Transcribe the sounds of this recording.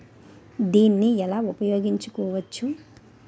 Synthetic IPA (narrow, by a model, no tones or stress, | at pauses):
d̪iːnːiɛlaːupɐjo̞ːɡiɲt͡ʃukɔːʋɐt͡ʃːu